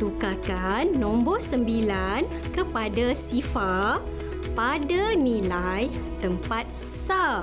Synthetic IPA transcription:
t̪ukakanːɔ̃mbɔsəmbilan | kəpadasifa | padanĩlajt̪əmpat̪̚ | sa

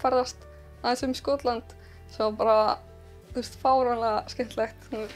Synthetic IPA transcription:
fɛrðast̪ | aj̪sʏmiskɔːt̪lant̪ | sɛmapaɾa | θust̪fawɾalaskɛn̥t̪lɛxt̪

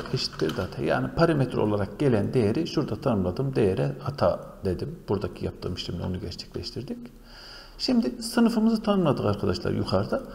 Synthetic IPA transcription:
cʰeʃi̥t̪ʰːiɾd̪iat̪ʰa̰ja̰ːnipʰaɾamet̪ʰɾolˠaɾak̚ɟ̥e̞lʲænd̪e̞jeɾiʃuɾd̪at̪ʰanɯmlˠad̪ɯmd̪ejeɾɛhat̪ʰa̰d̪̥e̞d̪imb̥uɾd̪acʰijap̚t̪ʰɯ̰ːmiʃimlʲɛonuɟɛɾt͡ʃʰɛ̥clʲɛʃt̪ʰiɾd̪ic | ʃimd̪isɯnɯfɯmɯzɯt̪ʰanɯmlˠad̪ɯkaɾkʰad̪aʃlˠa̰ɾjukʰaɾd̪a

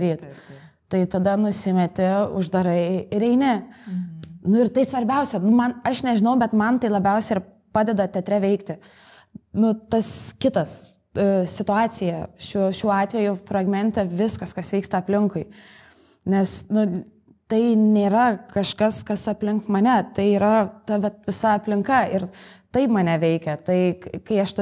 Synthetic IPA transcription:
ɾʲiːt̪ | t̪ɐɪt̪ɐd̪ɐnʊsʲɪmʲɛt̪ʲɪʊ̰ʒd̪ɐɾɐɪɪɾɛɪnʲɛ | nʊɪɾt̪ɐɪsʋɐɾʲbʲɛʊsʲɛnʊmɐnɐʃnʲɛʒʲɪnɐʊbʲɛt̪mɐnt̪ɐɪlˠɐbʲɛʊsʲɛɪr | pɑːd̪ʲɛd̪ɐt̪ʲɛt̪ʲɾʲɛʋʲɛɪkt̪ʲɪ | nʊt̪ɐskʲɪt̪ɐs | sʲɪt̪ʊɑːt͡s̪ʲɪjɛʃʲuɔʃʲuɔɑːt̪ʲʋʲɛjʊfɾɐɡmʲɛnʲt̪ʲɛʋʲɪskɐskɐsʋʲɛɪkst̪ɐɐpʲlʲɪŋkʊɪ | nʲɛsnʊ | t̪ɐɪnʲeːɾɐkɐʃkɐskɐsɐpʲlʲɪŋkmɐnʲɛt̪ɐɪiːɾɐt̪ɐʋʲɛt̪̚ʋʲɪsɐɐpʲlʲɪŋkɐɪɾt̪ɐɪpmɐnʲɛʋʲɛɪkʲɛt̪ɐɪkɐɪɐʃt̪ʊ

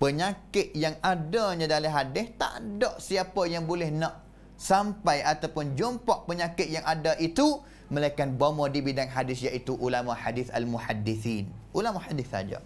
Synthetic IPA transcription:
pəɲakɪt̪̚jaŋadaɲãdalaɦadɪst̪a̰ʔdɔʔsiapajaŋbolɛhnaʔ | sampajat̪awpʊnd͡ʒompɔʔpəɲãkɪt̪̚jaŋʔadaʔit̪u | məlaikanbamɔdibidaŋɦadɪsjaʔit̪uʔulamaħadɪθa̰lmuħadːiθinʔulamahadɪθa̰d͡ʒa̰

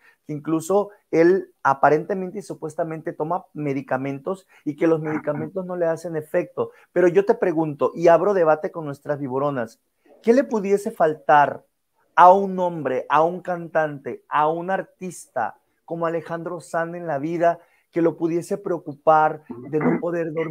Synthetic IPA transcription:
keiŋkluso̞ | e̞lapaɾe̞nt̪e̞mẽnt̪eisupwe̞st̪ament̪e̞t̪o̞mame̞ðikamẽ̞nt̪o̞s | ike̞lo̞zme̞ðikamẽ̞nt̪o̞zno̞le̞ase̞ne̞fe̞k̚t̪o̞ | pe̞ɾo̞ʝo̞t̪e̞pɾe̞ɣunt̪o̞ʔiaβ̞ɾo̞ð̞e̞β̞at̪e̞ko̞nːwe̞st̪ɾazβiβoɾo̞nas | ke̞le̞puðje̞se̞falt̪aɾ | aunːõ̞mbɾe̞ʔauŋkant̪ant̪e̞aunaɾt̪ist̪a̰ | ko̞moale̞xand̪ɾo̞sane̞nlaβiða | ke̞lo̞puðje̞se̞pɾeokupaɾðe̞no̞po̞ðe̞ɾðoɾ

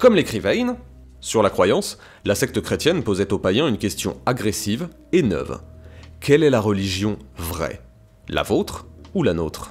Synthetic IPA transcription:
kɔmlekχivɛjn | syʁlakχwajɑ̃s | lasɛk̚t̪əkχet̪jɛnpozɛt̪opajɛ̃ynkʲɛst̪jɔ̃aɡʁesiv | enœ̰vkʲɛlɛlaʁəliʒjɔ̃vʁɛ̰ | la̰vot̪χulanot̪χ

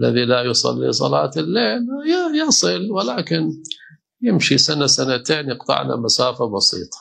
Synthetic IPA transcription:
ʔalːa̰ðilajʊsˤɑ̰lːḭsˤɑ̰lɑːt̪ɪlːeːljjɑsˤɨlwɪlaːkɪn | jɪmʃisanasanat̪eːnjɨqt̪ˤɨ̰ʕla̰masaːfabɑsḭːt̪ˤɑ̥

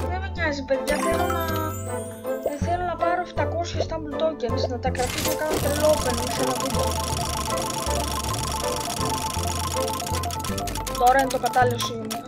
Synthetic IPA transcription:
ðemeɲɐzipe̞ðʝɐθelonɐ | θe̞lonɐpɐɾo̞ft̪ɐko̞sçɐst̪ɐmbult̪o̞ɟensnɐt̪ɐkɾɐt̪isekɐnot̪ɾilopeniksɐnɐvume | t̪o̞ɾɐint̪o̞kɐt̪ɐliosiumɐ

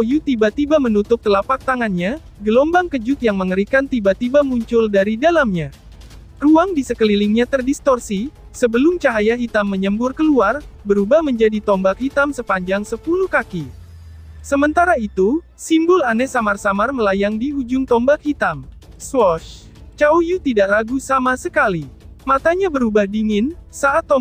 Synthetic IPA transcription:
ojut̪ibat̪ibamənut̪ʊp̚t̪əlapak̚t̪aŋanɲa | ɡəlɔmbaŋkəd͡ʒʊt̪̚jaŋməŋəɾikant̪ibat̪ibamuɲt͡ʃʊldaɾidalamɲa | ruaŋdisəkəliliŋɲat̪ərdist̪ɔrsi | səbəlʊmt͡ʃaɦajaɦit̪amːəɲəmbʊrkəluarbəɾubahməɲd͡ʒadit̪ɔmbakhit̪amsəpaɲd͡ʒaŋsəpuluhkaki | səmənt̪aɾait̪u | simbʊlanɛsamarsamarməlajaŋdiud͡ʒʊŋt̪ɔmbak̚hit̪am | swɔʃ | t͡ʃaujut̪idaʔlaɡusamasəkalimat̪aɲabəɾubahdiŋɪnsaʔat̪ːɔ

